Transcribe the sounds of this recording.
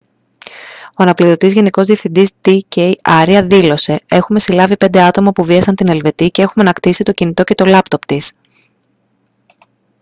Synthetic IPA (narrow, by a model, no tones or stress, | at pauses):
o̞ɐnɐpliðo̞t̪izʝe̞niko̞zðie̞fθind̪isd̪iceiɐɾiɐðilo̞se̞e̞xume̞silɐvipe̞nd̪e̞ɐt̪o̞mɐpuviɐsɐnt̪ine̞lve̞t̪ice̞e̞xumɐnɐkt̪isit̪o̞cinit̪o̞ce̞t̪o̞lɐpt̪o̞pt̪is